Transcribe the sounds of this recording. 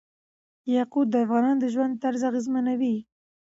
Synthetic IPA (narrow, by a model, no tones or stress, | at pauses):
jɑqud̪̚d̪əafɣɑnɑnd̪əʒwand̪̚t̪ːaɾzaɣɪzmanawi